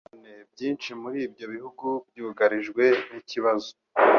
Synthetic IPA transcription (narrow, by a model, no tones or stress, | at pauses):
nebjiːnt͡ʃimuɾiːbjo̞βihuɡub̚juːɡaɾiʒɡwe̞niciβazo